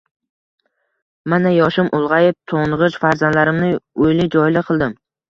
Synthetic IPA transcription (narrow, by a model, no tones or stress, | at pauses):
manajɒʃɪmʔʊlˠʁɑjeft̪ʰoɴʁɨʃfaɾzand̪laɾɪmnɪojlɪd͡ʒɒjlɪqʰɨlˠd̪ɪm